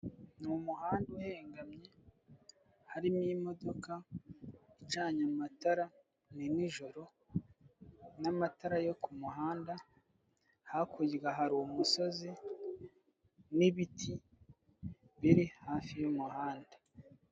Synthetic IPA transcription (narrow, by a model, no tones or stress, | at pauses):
numuhaːnduheːŋɡamɲe̞ | haɾimimo̞do̞ka | it͡ʃaːɲamataɾa | niniʒoɾo̞ | namataɾajo̞kumuɦaːnda | hakʰuɟɡaɦaɾuwumuso̞zi | niβitʰi | βiɾihaːfijumuhaːnda